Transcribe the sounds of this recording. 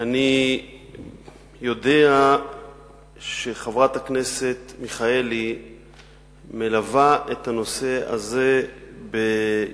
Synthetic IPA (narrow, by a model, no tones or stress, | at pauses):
ani | jo̞de̞a | ʃe̞χavʁat̪akne̞se̞t̪miχae̞li | me̞lavaʔet̪ano̞se̞a̰ze̞be